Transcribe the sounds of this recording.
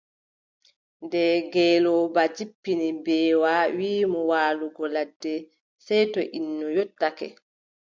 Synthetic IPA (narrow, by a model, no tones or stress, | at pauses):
ndɛɡɛːlɔbad͡ʒipːinibɛːwawiːmɔwaːluɡɔladːɛ | sɛjtɔʔinːɔjotːakɛ̰